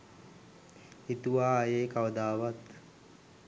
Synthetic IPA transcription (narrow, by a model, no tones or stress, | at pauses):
it̪uʋaːjeːkaʋəd̪aːʋat̪